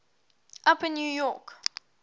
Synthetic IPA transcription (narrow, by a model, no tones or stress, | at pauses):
ʔapɪ̃njuːjɔk